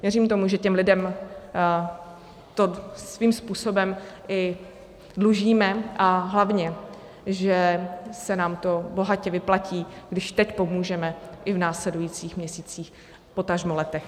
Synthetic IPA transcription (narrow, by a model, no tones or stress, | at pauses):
vjɛriːmt̪o̞muʒɛcɛmlɪdɛm | t̪osviːmspuːso̞bɛmʔɪ | dluʒiːmɛʔaɦlavɲɛ | ʒɛsɛnaːmt̪o̞bo̞ɦacɛvɪplaciːɡdɪʃt̪ɛcpo̞muːʒɛmɛʔɪvnaːslɛdujiːt͡siːxmɲɛsiːt͡siːx | po̞t̪aʒmolɛt̪ɛx